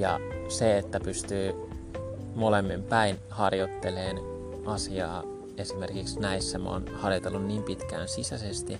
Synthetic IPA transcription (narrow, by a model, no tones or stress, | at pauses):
jɑ̰seet̪ːæpyst̪yː | molemːimpæin | hɑrjot̪ːeleːn | ɑsiɑ̰ː | esimerkiksnæisːæmo̰ːnhɑrjot̪elːunniːmpit̪kæ̰ːnsisæsest̪i